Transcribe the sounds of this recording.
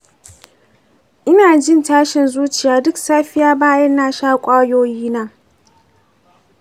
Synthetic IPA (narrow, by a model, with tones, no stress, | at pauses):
ʔɪ˦naː˨d͡ʒɪ˦ntaː˦ʃɪ˨nzuː˦t͡ʃɪ˨jaː˨dʊ˦ksaː˦ɸɪ˦jaː˦baː˦jɐ˦nːaː˦ʃaː˦kʷʼaː˦joː˦jiː˦na˦